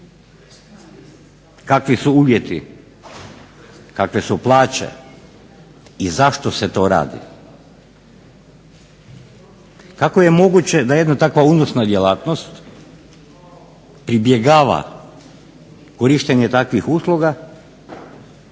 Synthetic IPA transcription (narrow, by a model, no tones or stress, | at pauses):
kakʋisuuːʋje̞t̪ḭ | kakʋesuplˠaːt͡ɕe̞̰ | izaʃt̪o̞set̪o̞ːɾa̰ːd̪ḭ | kakoje̞mo̞ɡut͡ɕe̞d̪ajed̪nat̪akʋauːnosnad̪jelaːt̪no̞st̪ | pɾibjeɡaːʋa̰ | koɾiːʃt̪eɲet̪akʋixuːslˠoɡa